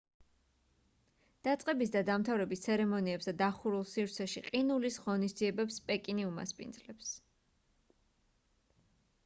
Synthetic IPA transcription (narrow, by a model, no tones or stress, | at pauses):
d̪̥at̪sʼqʼɛbisd̪ad̪amt̪ʰavɾɛbist̪sʰɛɾɛmɔniɛpsd̪ad̪aχuɾulˠsivɾt̪sʰɛʃiqʼinulisʁɔnisd̪ziɛbɛpspʼɛkʼiniuma̰spʼḭnd̪zlɛps